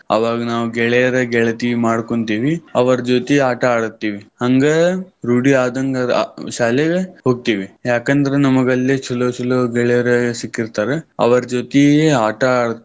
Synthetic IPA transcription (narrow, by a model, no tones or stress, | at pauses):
ɐ̰ʋaːɡɐnaːʋuɡɛɭɛjɐɾeɡɛɭɐt̪imaːɽkoɳt̪iːʋiɐʋɐɾɐd͡ʒoːt̪iaːʈɐaːɽut̪ːiːʋihɐŋɡeɾuːɽiaːd̪ɐŋɡɐ̰ʃaːleɡeɦoːɡ̚t̪iːʋijaːkɐnd̪ɐɾenɐmɐɡɐlːet͡ʃɐloːt͡ʃuloɡɛɭɛjɐɾesikːiɾt̪aːɾeɐ̰ʋɐɾɐd͡ʒoːt̪ieaːʈɐaːɽ